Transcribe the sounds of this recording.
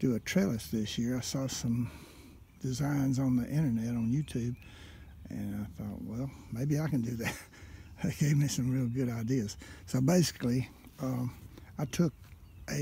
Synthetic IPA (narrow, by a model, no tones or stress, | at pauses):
d̥ɨətʰɹ̥eɪlˠɨsðɪsjɪɹaɪsɔsʌ̃m | d̥ɨzãɪ̃nzn̩ðiʔɪ̃ɾ̃ə˞nɛɾn̩jʉtʰʉb̚ | ʔɨ̰̃naɪθɔ̰ʔ̚wɛlˠmeɪbiaɪkɨ̃n̩dɨðæt̚ | ðɨt̚ɡ̥eɪvmisʌ̃mɹilˠɡʊɾaɪdiɨz̥soʊbeɪsɪ̥kli | ʌaɪtʰʊk̚ | ʔɨ